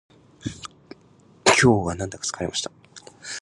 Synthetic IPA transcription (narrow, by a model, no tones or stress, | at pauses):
kʲʰo̞ːβanãnd̪akḁt͡sɨ̥kaɾemʔaɕi̥t̪ḁ